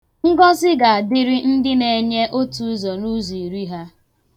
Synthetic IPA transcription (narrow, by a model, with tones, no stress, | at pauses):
ŋ̩˦ɡɔ˦zɪ˦ɡa˨a˨dɪ˦ɾi˦n̩˦dɪ˦ne˨ɲe˦ʔo˦tu˨˦zɔ˨nu˦zi˨ɾi˦ɦa˦